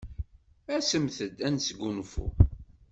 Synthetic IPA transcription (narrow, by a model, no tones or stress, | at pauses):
æsəmθəd̪ænsɡʷunfṵ